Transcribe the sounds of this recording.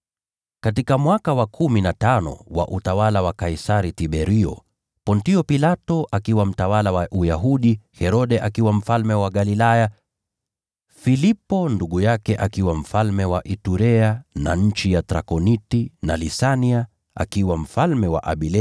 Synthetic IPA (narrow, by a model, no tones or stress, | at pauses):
katikamwakawakʰuminatanɔ̰wa̰ʔutawalawakaisaɾitiɓɛɾiɔ̰ | pɔntiɔpilatɔʔakiwam̩tawalawaʔujaɦuɗihɛɾɔɗɛʔakiwam̩falmɛwaɠalilaja | filipɔnduɠujakɛʔakiwam̩falmɛwaʔituɾɛana̰ɲ̩t͡ʃijatɾa̰kɔnitinalisania | a̰kiwam̩falmɛwa̰ʔa̰ɓilɛ